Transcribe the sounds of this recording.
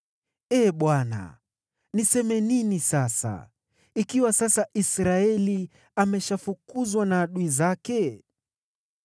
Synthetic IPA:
ɛːɓwana̰ | nisɛmɛninisasa̰ | ikiwasasaʔisɾaɛli | amɛʃafukuzwanaːɗuizakɛ

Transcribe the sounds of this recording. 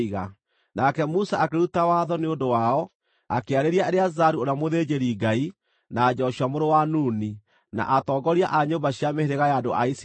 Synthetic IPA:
iɣa | nakɛmusaʔakeɾutawaðɔneondowaɔ | akeaɾeɾiaeɾeazaɾuoɾeamoðed͡ʑeɾiɡai | naːd͡ʑɔɕwamoɾowanuːni | na̰ʔatɔːɡɔɾiaʔaɲombaɕjameheɾeɣajaːndoʔa̰is

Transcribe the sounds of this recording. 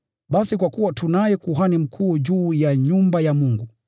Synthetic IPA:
ɓasikwakuwatunajɛkuɦanim̩kʰuːʄuːjaɲumbajamuŋɡu

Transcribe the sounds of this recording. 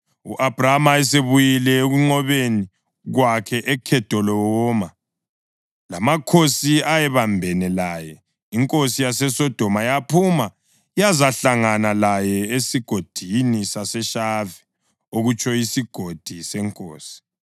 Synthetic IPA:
uʔab̥ramaɛs̬eβujilɛeɣuŋ͡ǀɔβeni | ɣwakʰɛʔɛkʰɛtʰɔlɔwɔːma | lamakʰosiajɛβambʱɛnɛlajɛ | iŋkʼosijasɛsɔd̥ʱɔmajapʰuma | jazaɬaŋanalajɛesiɡ̥ʱod̥ʱinisasɛʃavɛ | oɣut͡ʃʰʼɔjisiɡ̥ʱod̥ʱisɛŋkʼoːsi̥

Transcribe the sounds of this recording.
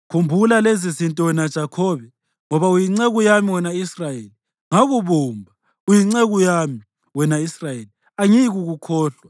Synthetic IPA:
kʰumbʱulalezizintʼɔɛnad̥ʒ̥ʱakʰɔːβɛ | ŋɔβaujiŋ͡ǀeɣujamiwɛnaisrajeːli | ŋaɣuβuːmbʱa | ujiŋ͡ǀeɣujami | wɛnaisrajeːli | aŋiɣuɣukʰɔːɬwa

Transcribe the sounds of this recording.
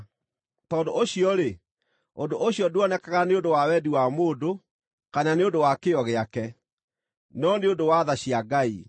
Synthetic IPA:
tɔndoʔoɕiɔɾe | ondoʔoɕiɔduɔnɛkaɣaneondowawɛdiwamoːdo | kananeondowakeɔɣeakɛ | nɔneondowaðaɕiaɡai

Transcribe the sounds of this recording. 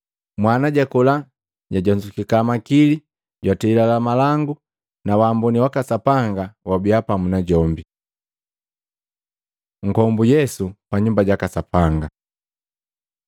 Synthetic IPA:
mwanaɟakɔla | ɟaɟɔɲd͡ʒukikamakili | ɟwatɛilalamalaŋɡu | nawaːmbɔniwakasapaŋɡawabiapamunaɟɔmbi | ŋ̩kɔmbujɛsupaɲumbaɟakasapaŋɡa

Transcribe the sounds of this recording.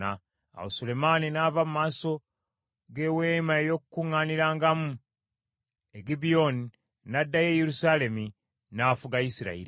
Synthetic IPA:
a | a̰wosule̞maninavamumaːso̞ | ɡe̞weːmaejo̞kukuŋːaːniɾaːŋɡamu | eɡibijoni | nadːaje̞jeɾusale̞mi | naːfuɡaisiɾa̰ḭɾi

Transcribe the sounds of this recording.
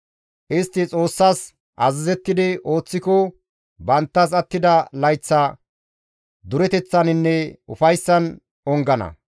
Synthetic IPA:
ʔɪst̪ːɪt͡sʼo̞ːsːaːs | ʔɐzɪzɛt̪ːɪd̪ɪʔo̞ːt͡sːɪkɔ | bɐnt̪ːɐs̬ɐt̪ːɪd̪ɐlɐjt͡sːɐ | d̪ʊɾɛt̪ɛt͡sːɐnɪnːɛʊfɐjsːɐn | ɔŋɡɐnɐ̰

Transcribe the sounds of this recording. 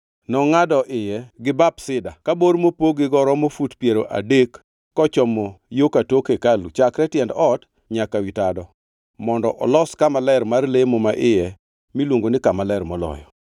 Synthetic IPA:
nɔŋadɔʔɪjɛɡɪbapsɪdakaboɾmopoɡɪɡɔɾɔmofutpjeɾoʔa̰dekː | ɔt͡ʃɔmojokatokekalut͡ʃakɾɛtjɛndɔt | ɲakawitadɔ | mɔndɔ̰ʔɔlɔskamalɛɾmarlemomaʔɪjɛ | milwoŋɡonɪkamalɛrmɔlɔ̰jɔ̰

